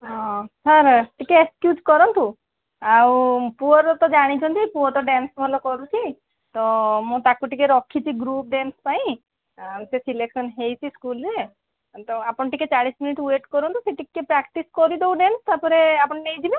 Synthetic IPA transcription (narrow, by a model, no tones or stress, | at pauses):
ɦɔ̃saɾʈikeeskjud͡ʒkɔɾɔnt̪u | awpuɔɾɔt̪ɔd͡ʒaɽ̃it͡ʃʰɔnt̪ipuɔt̪ɔɖensbʱɔlɔkɔɾut͡ʃʰi | t̪ɔmũt̪akuʈikeɾɔkʰːit͡ʃʰiɡɾup̚ɖenspaĩ | sesileksɔnɦejt͡ʃʰiskulɾe | t̪ɔapɔɳʈiket͡ʃaɽisminiʈueʈkɔɾɔnt̪useʈiepɾakʈiskɔɾid̪ewɖenst̪aɾpɔɾeapɔɳʈejd͡ʒ̪ʱibe